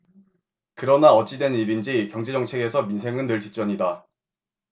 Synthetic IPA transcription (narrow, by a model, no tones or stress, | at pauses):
kɯɾʌnaʌt͡ɕ͈idwe̞niɾind͡ʑikjʌŋd͡ʑe̞d͡ʑʌŋt͡ɕʰe̞ɡe̞sʰʌminsʰe̞ŋɯnːɯɭtit͡ɕ͈ʌɲida